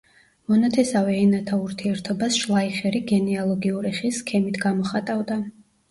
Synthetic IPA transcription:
mɔnat̪ʰɛsavɛːnat̪ʰauɾt̪ʰiɛɾt̪ʰɔbasʃlˠaiχɛɾiɡɛnɛalˠɔɡiuɾiχisːkʰɛmit̪ʰɡamɔχat̪ʼavd̪a

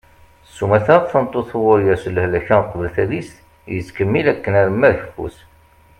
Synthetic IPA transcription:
sːumæθæɾθənt̪ˤːoθwʊɾjæsələhlæçæqːvəlθæðist̪ | jət͡skəmːilækːənæɾəmːæɾçəfṵθ

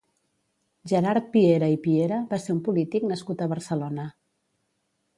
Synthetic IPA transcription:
ʒəɾaɾt̪̚pieɾəipieɾəβaseɾumpulit̪iknəskut̪əβəɾsəlonə

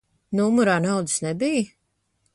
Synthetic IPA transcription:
numuɾaːnawd̪ɨ̥snɛbij

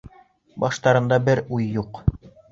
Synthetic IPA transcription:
bɑʃt̪ɑɾɤ̆nd̪ɑbɘɾujːuq

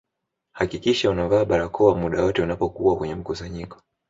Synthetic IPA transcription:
hakikiʃaunavaːɓaɾakʰɔamuɗajɔtɛunapɔkuwakwɛɲɛm̩kusaɲikɔ̥

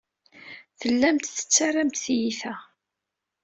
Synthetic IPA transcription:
θəlːæmt̪θə̥t͡sːarˤamt̪θjiθæ

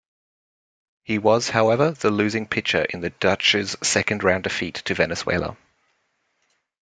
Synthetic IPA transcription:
hiwɒz̥haʊɛvəðəlʉːzɪ̃ŋpʰɪk̚t͡ʃə̰ɹʔɪ̰̃nðəd̥ʌt͡ʃɪz̥sɛkə̃ndɹãʊ̃ndəfiˑtʰəvɛnəswḛɪlˠə̰

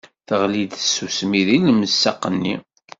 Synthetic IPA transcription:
θəʁlid̪əsːusmiðilməsːɑqːənːi

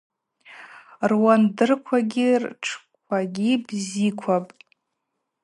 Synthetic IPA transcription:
rwandɨrkʷʰaɡʲirʈ͡ʂʰkʷʰaɡʲibzikʷʰapʼ

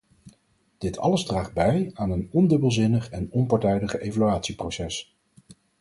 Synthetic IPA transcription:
d̥ɪtʰɑ̰ləzdraːχd̚bɛjaːnənɔndɵbəlˠzɪnəχɛnɔmpɑɹtɛjdəχejvalyaːtsiprowsɛs

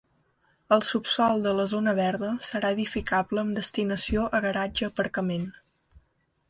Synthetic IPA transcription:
əlˠsupsɔlˠd̪ələzonəβɛɾðəsəɾaeðifikaβləːmd̪əst̪inəsioʔəɣəɾad͡ʒəːpəɾkəmen

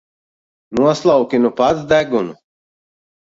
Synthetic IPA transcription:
nuɔslˠawkʲinupat̪zd̪æɡunu

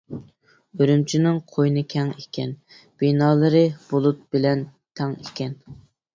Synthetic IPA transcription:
øɾymt͡ʃʰinɪŋqʰojnɨkʲʰɛŋekʲʰɛn | b̥inɑːlˠɨɾɨb̥olˠut̪̚bɪlɛn | t̪ʰɛŋekʲɛn

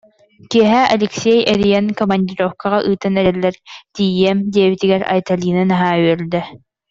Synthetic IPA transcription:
kiɛɦɛʔɐ̰lʲɛksʲɛjɛɾijɛnkɔmɐnʲd̪ʲiɾɔfkʰaʁaʔɯːt̪ɯnɛɾɛlːɛɾt̪ijɛmd̪ʲiɛβit̪iɡɛɾa̰jt̪alʲiːnɯnaɦaːyœɾld̪ɛ

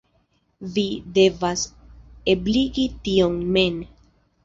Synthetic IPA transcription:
vide̞vase̞bliɡitio̞nme̞n

